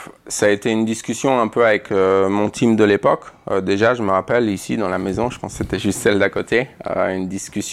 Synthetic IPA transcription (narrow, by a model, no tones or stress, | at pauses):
saet̪eynd̪iskʲysjɔ̃ɛ̃pøavɛkømɔ̃t̪ʰimd̪əlepɔkød̪eʒaʒəməʁapɛlisid̪ɑ̃lamezɔ̃ʒə̥pɑ̃sset̪ɛʒyst̪sɛld̪akot̪ʰeø̰ynd̪iskʲysj̃